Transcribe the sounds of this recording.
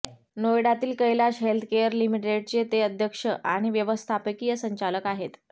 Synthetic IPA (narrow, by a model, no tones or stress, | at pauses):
nojɽat̪iːlkəjlaɕɦelt̪ʰkejəɾlimiʈeɽ̚t͡ɕet̪eəd̪ʱjəkʂəʔaɽ̃iʋjəʋəst̪ʰapəkijəsəɲt͡ɕaləkaɦet̪